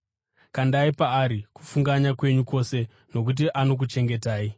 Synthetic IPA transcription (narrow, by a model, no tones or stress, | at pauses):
kandaipaːɾiku̥fuŋɡaɲakwe̞ɲuko̞se̞ | no̞k̬ut̬iʔano̞k̬ut͡ʃe̞ŋɡe̞taːi